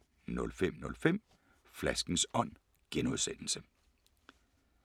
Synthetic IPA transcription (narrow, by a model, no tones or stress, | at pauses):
nɔ̽lfem̰nɔ̽lfem̰ | flæsɡ̥n̩sɒ̽n̰ | ɡ̥enuð̞ˠsen̰l̩sə